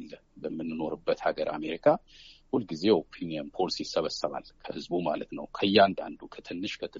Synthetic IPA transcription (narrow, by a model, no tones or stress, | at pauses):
lːəbəmːɨnːɨno̞ɾɨbːət̪haɡəɾʔa̰me̞ɾikʰahulɡize̞opʰiniənpʰo̞lisisːəβəsəβa̰lkʰəhɨzbumalət̪nəwkʰəjːand̪a̰nd̪ukʰət̪ʰɨnːɨʃkʰət̪ʰɨ